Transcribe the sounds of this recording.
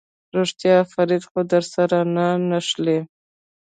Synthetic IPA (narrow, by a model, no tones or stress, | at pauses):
ɾoʂt̪jɑfaɾid̪xod̪əɾsaɾananaʃle